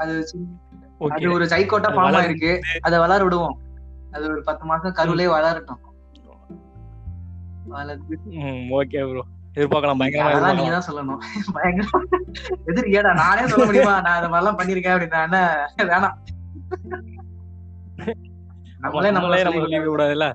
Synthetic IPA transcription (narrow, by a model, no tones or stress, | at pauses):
ɐðɯsɪnː | ɐðɯɔɾɯsɐɪkːoːʈːaːppɔɳɐmaːɪɾɯkːɯɐðɐʋɐlaːɾʋɪɽɯʋõːɐðɯɔɾɯpɐt̪ːɯmaːsɐ̃kɐɾɯʋɯleːʋɐlaːɾʈːɯ̃ | ʋɐlɾ | oːkeːɐpɾõɛðɯɾpaːkɐɭãːbɐjɐŋɡɐɾɐmaːlːanŋɡɐt̪ãːsɔlːɐnʊ̃bɐjɐŋɡɐɾɐ | ɛðɪɾeːɽãnãːneːsɔlɐmʊɽɪjʊmaːnãːɪðɐmaːðɾɪlãːpɐɳːɪɪɾɯk̬ːẽːpɐɽɪnːãːnːaʋeːnãː | nɐmːɐleːnɐmːɐnɐmːɐsɔlːikːikʊɽaːðɪlːɐ